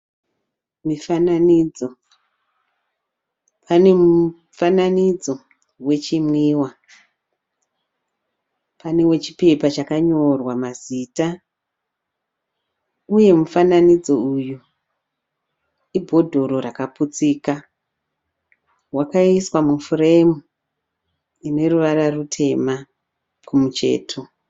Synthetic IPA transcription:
mifananid͡zo̞ | pʰane̞mu | fananid͡zo̞ | we̞t͡ʃimwiːwa | pane̞we̞t͡ʃipe̞pat͡ʃakaɲorwamazita | uje̞mufananid͡zo̞uju | ibʱo̞dʱo̞ɾo̞ɾakaput͡sika | wakaiswamufure̞mu | ine̞ruʋaɾarutʰe̞ma | kumut͡ʃe̞̰ːtʰo

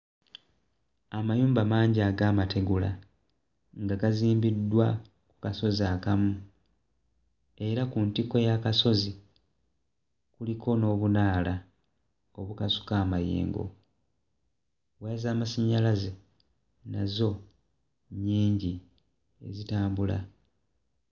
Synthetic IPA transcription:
amajuːmbamaːɲɟiaːɡaːmate̞ɡula̰ | ŋɡaɡaziːmbidːwa | ku̥kaso̞ziakamu | e̞ɾakuntiko̞jakaso̞zi | kulikʰo̞no̞ːβunaːla | o̞βukasu̥kaːmajḛːŋɡo̞̰ | weːzaːmasaɲalaze | na̰zo̞ | ɲːiːɲɟi | e̞̰zitaːmbula̰

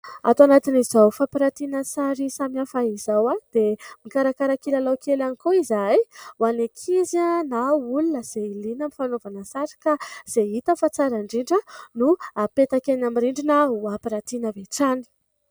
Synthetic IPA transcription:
a̰t̪wanat̪inizawfapiɾat̪inəsaɾisamiafaizawad̪̥emikaɾakaɾakilalawkelanikoizajwanekʰizanaulunəz̥eilinamifanovanəsaɾi̥kaz̥eɦit̪əfat͡saɾaɳɖ͡ʐiɳɖ͡ʐənuapet̪akenamiɾiɳɖ͡ʐinəuapiɾat̪inəveʈ͡ʂani̥

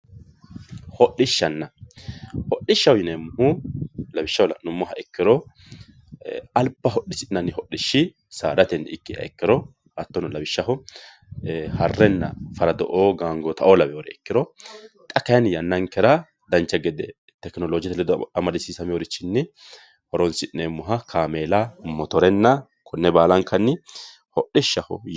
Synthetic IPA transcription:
hɔɗːɪʃːɐnːɐ | hɔɗɪʃːɐwjɪnemːʊhʊlɐbɪʃːɐhɔlɐ̰nʊmːɔɦɐɛkːɪɾɔ | ɐlpːɐɦɔɗːɪsɪnɐnːɪɦɔɗɪʃːɪ | saːd̪ɐt̪ɛnːɪkːɪɐ̰ɛkːɪɾɔ | hɐt̪ːɔnɔlɐbɪʃːɐɦʊ | hɐrːɛnːɐfɐɾɐd̪ɔʔoːɡaːŋɡɔt̪ʰɐʔoːlɐbɛɔɾɛɛkːɪɾɔt̪ʼɐkːɐjɐnjɐnːɐŋkɛɾɐ | d̪ɐnt͡ʃːɛɡɛd̪ɛ | t̪ɛknɔloːd͡ʒɪt̪ɛlɛd̪ɐmɐd̪ɪsiːsɐmɪɔɾɪt͡ʃːɪnːɪ | hɔɾɔnsɪnemːʊɦɐkʰaːmeːlɐmɔt̪ɔɾɛnːɐ | kʰɔnːɛbaːlɐŋkʰɐnːɪ | hɔɗːɪʃːɐhɔ̰

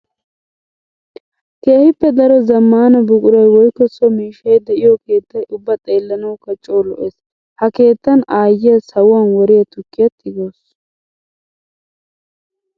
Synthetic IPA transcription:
keːhɪpːɛd̪ɐɾɔzɐmːaːnɐbʊkʼʊɾɐjwɔjkːɔsɔmiːʃɐjd̪ɛʔɪjɔke̞ːt̪ːɐjʔʊbːɐt̪ʼe̞ːlːɐnɐwkɐt͡ʃʼːoːlɔʔes | hɐke̞ːt̪ːɐnaːjːɪjɐsɐwɐnwɔɾɪjɐt̪ʊkːɪjɐt̪ʰːɪɡoːs

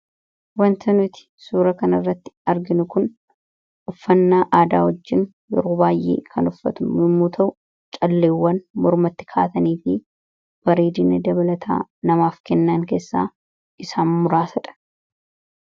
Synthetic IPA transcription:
wɐnt̪ʰɐnʊt̪ɪ̥suːɾɐkɐnɐrːɐt̪ːɪ̥ɐɾɡɪnʊkʊn | ʔʊfːɐnːaːʔaːd̪a̰ːwɔd͡ʒːɪn | jɔ̰ɾobaːjʔḛːkʰɐnʊfːɐt̪ʊmɪmːuːt̪ʰɐʔʊ | t͡ʃʼɐlːeːwːɐnmɔɾmɐt̪ːɪ̥kʰa̰ːt̪ɐniːfɪ | b̥ɐɾeːd̪ɪnɛd̪ɐbɐlɐt̪ʰa̰ːnɐmaːfkɛnːaŋke̞ːsːa̰ː | ʔɪsaːnmʊɾaːsɐᶑɐ̥

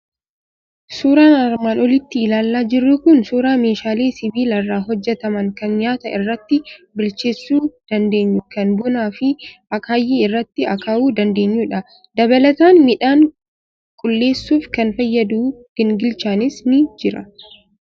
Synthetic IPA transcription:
suːɾaːnɐɾmaːnɔlɪt̪ːɪːlaːlːaːd͡ʒɪrːʊkʊnsuːɾaːme̞ːʃaːleːsɪbiːlɐrːaːɦɔd͡ʒːɛt̪ɐmɐŋkɐnɲaːt̪ɐɪrːɐt̪ːɪbʊlt͡ʃe̞ːsːuːd̪̥ɐnd̪e̞ːɲːʊkɐnbʊnaːfɪɐkɐjːiɪrːɐt̪ːɪɐkaːʔuːd̪ɐnd̪e̞ːɲːuːᶑɐ | d̪ɐβɐlɐt̪aːnmɪᶑaːŋ | kʼʊlːe̞ːsːuːfkɐnfɐjːɐd̪uːɡ̥ɪŋɡɪlt͡ʃaːnɪsnɪd͡ʒɪɾɐ

